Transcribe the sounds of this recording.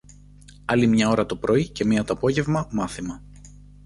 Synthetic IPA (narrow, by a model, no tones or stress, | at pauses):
ɐlimɲɐo̞ɾɐt̪o̞pɾʔo̞ice̞miɐt̪opo̞ʝe̞vmɐmɐθimɐ